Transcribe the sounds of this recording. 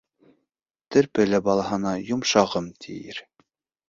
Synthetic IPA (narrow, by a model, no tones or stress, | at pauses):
t̪ɘ̆ɾpɘ̆læbɑlˠɑɦɤ̆nɑjŏmʃɑʁɤmt̪ʰḭjɘ̰ɾ